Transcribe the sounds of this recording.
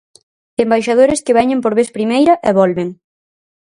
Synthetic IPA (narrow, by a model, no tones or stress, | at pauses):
embajʃað̞oɾeskeβɛɲempoɾβeθpɾimejɾɐʔɛβɔlβeŋ